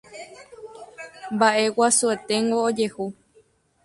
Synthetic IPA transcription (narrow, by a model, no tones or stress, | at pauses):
mbaʔe̞wasue̞t̪e̞ŋɡoːd͡ʒe̞hu